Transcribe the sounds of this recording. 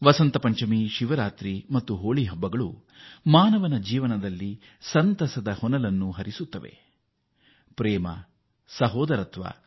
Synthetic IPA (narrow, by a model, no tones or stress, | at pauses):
ʋɐsɐnt̪ɐpɐɲt͡ʃɐmiʃiʋɐɾaːt̪ɾimɐt̪ːuɦoːɭiɦɐbːɐɡɐɭu | maːnɐʋɐnɐd͡ʒiːʋɐnɐd̪ɐlːi | sɐnt̪ɐsɐd̪ɐhɔnɐlɐnːuɦɐɾisut̪ːɐʋe̞̰ | pɾɛːmɐ̰ | sɐɦɔːd̪ɐɾɐt̪ʰʋa̰ː